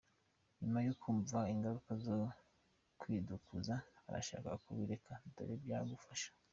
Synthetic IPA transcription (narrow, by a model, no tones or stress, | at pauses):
ɲumajokʰuɱvaiŋɡaɾukazo | kwiːdukuzaa̰ɾa̰ʃa̰ːka̰kuβiɾekʰado̰ɾebjaːɡufaʃḁ